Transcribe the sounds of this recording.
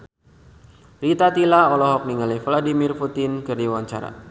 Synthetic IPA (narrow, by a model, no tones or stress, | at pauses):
rit̪at̪ilaɔlɔɦɔk̚niŋalifladimirput̪ɪnkɨrdiwaɲt͡ʃa̰ɾa̰